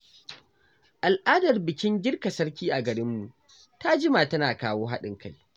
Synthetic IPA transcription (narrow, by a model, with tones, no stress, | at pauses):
ʔa˨lʔaː˦dɐ˨rbɪ˨kʲɪ˦nɡʲɪ˦rka˨sɐ˦ɾkʲiː˦ʔa˨ɡɐ˨ɽɪ˦mːu˨ʔ | ta˦d͡ʒɪ˦ma˨tɐ˦naː˨kaː˦woː˦ɦa˦ɗɪ˦ŋka˦˨j